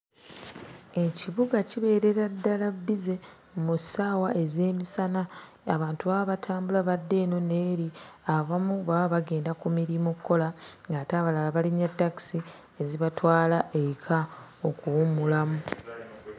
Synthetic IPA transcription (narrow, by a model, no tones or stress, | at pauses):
e̞ciβuɡaciβe̞ːɾe̞ɾadːalabːize̞ | musaːwaʔe̞ze̞ːmisana | aβaːntuβaβaβatʰaːmbulaβadːe̞ːno̞ne̞ːɾiaβamuβaaβaɡe̞ːndakumiɾimokʰːo̞laŋɡataːβalalaβaliɲatːaki̥si | eziβatwaːlaʔeikʰa | okuwumulamu